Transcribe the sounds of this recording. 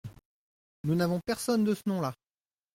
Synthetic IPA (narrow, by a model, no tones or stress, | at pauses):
nunavɔ̃pɛʁsɔnd̪əsənɔ̃la